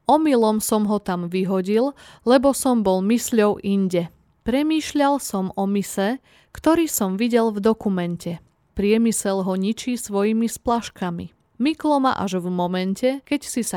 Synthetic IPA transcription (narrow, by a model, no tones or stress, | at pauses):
ɔmilɔmsɔmɦɔt̪amʋiɦɔɟillɛbɔsɔmbɔlmisʎɔʊʔiɲɟɛ | pɾɛmiːʃʎalsɔmɔmisɛ | kt̪ɔɾiːsɔmʋiɟɛlvd̪ɔkumɛncɛ | pɾɪɛmisɛlɦɔɲit͡ʃisʋɔjimisplaʃkamḭ | miklɔma̰ʔa̰ʒvmɔmɛncɛkɛcsisa